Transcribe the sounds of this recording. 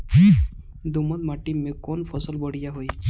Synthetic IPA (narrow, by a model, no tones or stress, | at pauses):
d̪umɔt̪̚maʈimekɔnpʰɔsɔlbɔɽijaɦoj